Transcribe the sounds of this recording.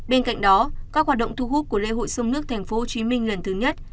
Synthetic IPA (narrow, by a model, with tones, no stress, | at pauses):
ɓe˧nka̰˧˨jŋ̟ɗɔ˨˦kaː˦˥k̚waː˨˩ɗə̰˧˨ŋ͡mt̪ʰu˧ɦu˦˥p̚ku˧˩əlḛ˧˨ɦo̰˧˨jsə˧wŋ͡mnɨ˦˥ək̚t̪ʰjŋ̟fo˨˦o˧˩t͡ɕi˨˦mï˧ŋ̟lə˨˩nt̪ʰɨ˨˦ɲə˦˥t̚